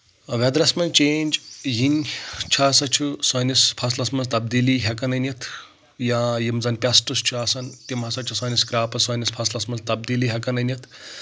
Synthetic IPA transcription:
ʋɐd̪ɾɐsmɐnt͡ʃeːnʲd͡ʒɦinʲt͡ʃʰaːsɐt͡ʃʰusɐːnispʰɐslɐsmɐnzt̪ɐb̚d̪iːliɦɐkɐnɐnjɐt̪ʰ | jajimzɐnpʲasʈust͡ʃʰuasɐnt̪imɦɐsɐt͡ʃʰusɐːniskɾaːpɐsɐːnʲispʰɐslɐsmɐnzt̪ɐb̚d̪iliɦʲɐkɐnɐnjɐt̪ʰ

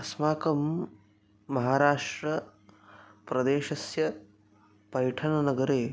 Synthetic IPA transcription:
ɐsmaːkɐmː | ɐɦaːɾaːʂʈɾɐ | pɾɐd̪eːʃɐsjɐ | pɐjʈʰɐnɐnɐɡɐɾeː

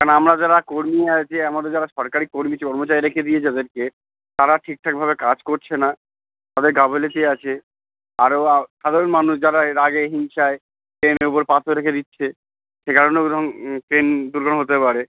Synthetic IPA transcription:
kanamɾad͡ʑaɾakoɾmiat͡ɕʰeamad̪eɾd͡ʑaɾaʃɔɾkaɾikoɾmiekɔɾmot͡ɕaɾiɾekʰed̪iet͡ɕʰead̪eɾke | t̪aɾaʈʰik̚ʈʰak̚bʱabekad͡ʑkoɾt͡ɕʰena | t̪ad̪eɾɡabʱelet̪eat͡ɕʰe | aɾoaʃad̪ʱoɾonmanuʃd͡ʑaɾaeɾaɡeɦiŋʃae | pɾeneupoɾpat̪ʰoɾekʰed̪itːɕʰe | ʃekaɾonod̪ʱɔŋpɾend̪uɾɡonɦot̪epaɾe

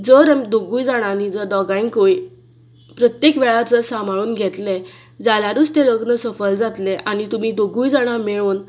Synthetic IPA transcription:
d͡zəɾamid̪oɡuːjd͡zaɽ̃anid͡zəd̪ɔɡaiŋkoi | pɾət̪jekʋɛɭat͡səsam̤aɭuːnɡʱɛt̪le | d͡zaljaɾust̪eləɡnəsəfəld͡zat̪leʔañit̪um̤iːd̪oɡuːjd͡zaɽ̃ameɭuːn

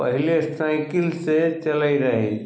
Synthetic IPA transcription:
pɐ̰ɦɪlesaɪkɪlset͡ʃɐlaiɾɐɦi

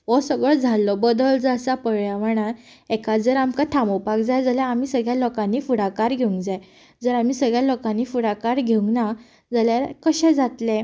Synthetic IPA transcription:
ʋɔsəɡɭɔd͡zʱalːɔbəd̪əld͡zasapəɽjaʋəɳ̃a | ɛkad͡zəɾamkat̪ʰamopakd͡zajd͡zaljaːmiːsəɡɭjalɔkãnːiːfuɽakaɾɡʱeuŋɡd͡zaj | d͡zəɾam̤iːsəɡɭjalokãnːiːfuɽakaɾɡʱeũŋɡna | d͡zaljaɾkəɕɛ̃d͡zat̪lɛ̃

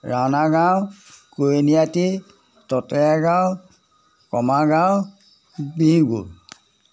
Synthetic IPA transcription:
ɹawnaɡawkonijati | tɔtɛaɡaw | kɔmaɡaw | bĩɡṵ

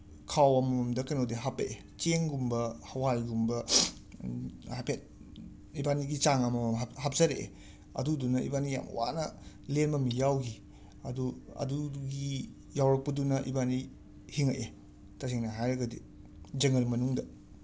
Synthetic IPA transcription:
kʰawɐmɐɐmdɐkɐnodiɦapeʔe | t͡ʃeŋɡumbɐhɐwajɡumbɐ | hapʰet̚ | ibaniɡit͡ʃaŋɐmɐhap̚zɐɾeʔ | ɐ̰dudunɐḭbanija̰mɐ̰wa̰nɐ | lenmɐmijawɡi | ɐduɐ̰duɡi | jawɾɐk̚pɐdunɐʔibani | hiŋɐ̰ʔe | tɐseŋnɐɦajɾɐɡɐdḭ | d͡ʒɐŋɐlmɐnuŋdɐ

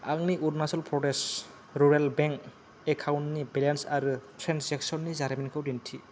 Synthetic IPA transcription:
a̰ɡniʔuɾnasɔlpʰɾɔdes | ɾuɾalbɛŋk | ekʰawnːibɛlansaɾutʰɾanszɛksɔnːizaɾminkʰawdintʰi

